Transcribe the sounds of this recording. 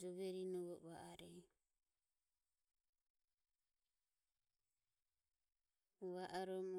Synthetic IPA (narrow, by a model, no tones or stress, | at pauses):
d͡ʒɔβɛɾinɔβɔβaʔaɾɛ | βaʔaɾɔmɔ